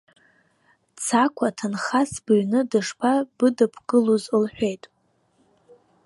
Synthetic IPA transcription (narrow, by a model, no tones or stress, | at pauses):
t͡sʰakʷʰatʰɨnχasbɨɥnɨdɨʂpʰab̥ɨdɨpʰɡ̥ɨluzɨlħʷᶣejtʼ